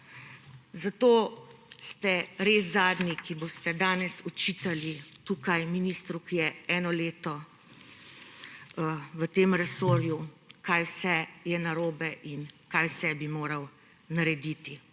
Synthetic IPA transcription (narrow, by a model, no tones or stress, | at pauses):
zat̪oːst̪ɛɾeːszaːd̪nikibost̪ɛd̪aːnɛsɔt͡ʃiːt̪alit̪uːkajminiːst̪ɾukijɛɛːnɔleːt̪ɔ | ʋət̪eːmɾɛsoːɾjukaːjwsɛjɛnaɾoːbɛʔinkajwsɛbimoːɾɐw | naɾɛd̪it̪i